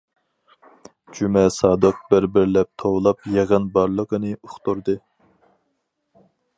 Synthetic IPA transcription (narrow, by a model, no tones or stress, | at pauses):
d͡ʒymɛsɑːd̪ɨq̚bɪɾbɪɾlɛp̚t̪ʰowlˠɑpjeʁənbɑɾlˠəqənɨuχt̪uɾd̪ɨ